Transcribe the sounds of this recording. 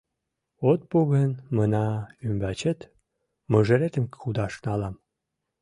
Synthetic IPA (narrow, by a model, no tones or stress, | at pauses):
ot̪̚puɣənmənɑymbæt͡ɕet̪ | məʒə̆ɾet̪ə̆mkxud̪ɑʃnɑlɑm